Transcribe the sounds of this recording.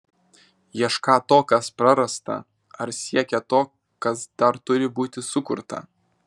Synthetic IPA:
jiɛʃkɑːt̪oːkɐspɾɐɾɐst̪ɐ̰ | ɐɾsʲiɛkʲɛt̪oː | kɐsd̪̥ɐɾt̪ʊɾʲɪbuːt̪ʲɪsʊkʊɾt̪ɐ̰

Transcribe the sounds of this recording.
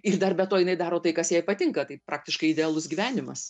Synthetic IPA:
ɪrd̪ɐrbʲɛt̪oːjɪnɐɪd̪ɑːɾoːt̪ɐɪkɐsjɛːpɐt̪ʲɪŋkɐt̪ɐɪpɾʔɑːk̚t̪ʲɪʃkɐɪɪdʲɛɑːlˠʊsɡʲiːʋʲæːnʲɪmɐs

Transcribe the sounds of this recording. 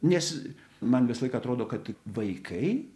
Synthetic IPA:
nʲɛs | mɐnʋʲɪsɐlˠɐɪkɐːt̪ɾoːd̪oːkɐt̪ʋɐɪkʰɐɪ

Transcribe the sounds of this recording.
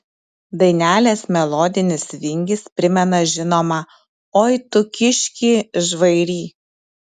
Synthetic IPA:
d̪ɐɪnʲæːlʲeːsmʲɛlˠoːd̪ʲɪnʲɪsʋʲɪŋʲɡʲɪspʲɾʲɪmʲɛnɐʒʲɪnoːmɐ | oːjt̪ʊkʲɪʃʲkʲiːʒʋɐɪɾʲiː

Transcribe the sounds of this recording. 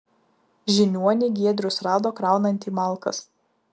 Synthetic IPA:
ʒʲɪnʲuɔnʲɪɡʲiɛd̪ʲɾʲʊsɾɑːd̪oːkɾɑˑʊnɐnʲt̪ʲiːmɑˑlˠˑkɐ̰s

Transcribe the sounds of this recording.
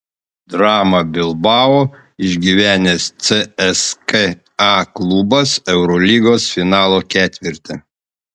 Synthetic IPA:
d̪ɾɑːmɐbʲɪlˠbɑːoː | ɪʒʲɡʲiːʋʲæːnʲest̪sɛɛske | ɑːklˠubɐsɛʊɾɔlʲiːɡoːsfʲɪnɑːlˠoːkʲæːt̪ʲʋʲɪɾʲt̪ʲɛ

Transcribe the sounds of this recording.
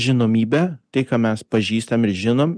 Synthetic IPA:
ʒʲɪnoːmʲiːbʲæːt̪ɐɪkɐmʲɛspɐʒʲiːst̪ɐmɪɾʒʲɪnoːm

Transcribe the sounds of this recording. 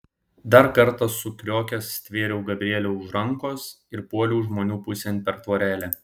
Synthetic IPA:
d̪ɐɾkɐɾˑt̪ɐsʊkʲɾʲoːkʲɛsːʲt̪ʲʋʲeːɾʲɛʊɡɐbʲɾʲɪeɛlʲoʊʒɾɐŋkoːs | ɪɾpuɔlʲuːʒmoːnʲuːpʊsʲɛnʲpʲɛɾt̪ʋoːɾʲæːlʲe

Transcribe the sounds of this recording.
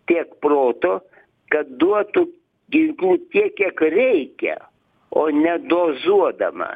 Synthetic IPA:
t̪ʲiɛkproːt̪oː | kɐt̪̚d̪uɔt̪u | ɡʲɪŋklʲuːt̪ʲiɛkkʲiɛkɾʲɛɪkʲɛ̰ | oːnʲɛd̪oːzuɔd̪ɐmɐ̰

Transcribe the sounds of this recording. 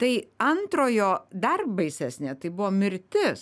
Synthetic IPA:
t̪ɐɪɐnt̪ɾoːjoːd̪ɐrbɐɪsʲæːsʲnʲeːt̪ɐɪbʊʋoːmʲɪɾʲt̪ʲɪs

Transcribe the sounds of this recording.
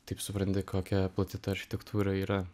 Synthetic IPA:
t̪ɐɪpsʊpɾɐnʲt̪ʲɪkoːkʲɛplˠɐt̪ʲɪt̪ɐɐɾʲxʲɪ̥t̪ʲɛkt̪ʰuːɾɐiːɾɐ

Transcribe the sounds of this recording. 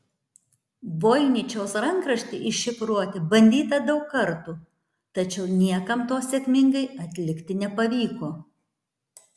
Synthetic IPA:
boːjɪnʲɪt͡ʃʲɛʊsɾɐŋkɾɐʃʲt̪ʲɪʔɪʃʃʲɪpɾuɔt̪ʲɪbɐnʲd̪ʲiːt̪ɐd̪ɐʊkːɐɾt̪uː | t̪ɐt͡ʃʲɛʊnʲiɛkɐmt̪oːsʲɛkʲmʲɪŋɡɐɪɐt̪ʲlʲɪkt̪ʲɪnʲɛpɐʋʲiːkoː

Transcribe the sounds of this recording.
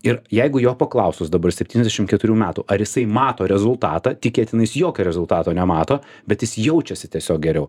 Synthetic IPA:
ɪɾjɛɪɡʊjoːpɐklˠɐʊsʊsd̪ɐbɐrsʲɛpʲt̪ʲiːnʲɛzd̪ʲɛʃɪmt̪kʲɛt̪ʊɾʲuːmʲæːt̪uːʔɐɾjɪsɐɪmɑːt̪oːɾʲɛzʊlˠt̪ɑːt̪ɑːt̪ʲɪkʲeːt̪ʲɪnɐɪsjoːkʲoːɾʲɛzʊlˠt̪ɑːt̪oːnʲɛmɑːt̪oː | bʲɛt̪jɪsjɛʊt͡ʃʲɛsʲɪt̪ʲiɛsʲoːk̚ɡʲɛɾʲɛʊ

